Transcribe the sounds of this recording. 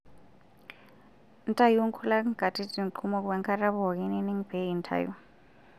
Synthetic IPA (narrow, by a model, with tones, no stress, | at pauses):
n̩˦tʼa˦ju˦ŋ̩˦kʰu˦la˦ɡ̥a˨tʰʼi˦ti˨ŋ˨ǃʰu˦mɔ˦k̬wɛ˦ŋkʰa˦ɾa˦βɔ˨kɛ˦nɛ˦ni˦ŋb̥e˨˦i˨ntʰa̰˨jṵ˦